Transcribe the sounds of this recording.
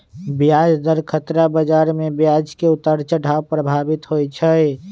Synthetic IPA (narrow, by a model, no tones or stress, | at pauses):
bjad͡ʒd̪əɾkʰət̪ɾabəd͡ʒaɾmebjad͡ʒkeut̪əɾt͡ʃʰəɖʱawpɾəbʱabit̪ɦojt͡ʃʰəj